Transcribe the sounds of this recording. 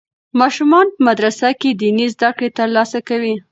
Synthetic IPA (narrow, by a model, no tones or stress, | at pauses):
mɑʃumɑnpəmad̪ɾasaked̪inizd̪akɽet̪əɾlɑsakawi